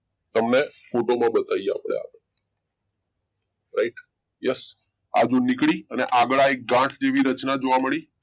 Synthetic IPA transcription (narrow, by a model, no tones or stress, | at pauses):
t̪əmnefoʈomãbət̪aja̰pɭḛa̰ʋe | ɾaiʈ | jɛs | a̰d͡ʒunikɭiəneʔaɡəɭaek̚ɡãʈʰd͡ʒeʋiɾət͡ʃnad͡ʒoʋaməɭi